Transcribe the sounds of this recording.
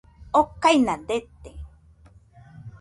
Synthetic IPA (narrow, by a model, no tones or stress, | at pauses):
okajnand̪et̪e